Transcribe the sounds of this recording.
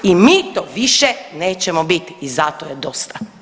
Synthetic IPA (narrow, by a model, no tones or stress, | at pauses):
imiːt̪oːʋiʃɛneːt͡ɕɛmobit̪iːzat̪ojed̪ost̪a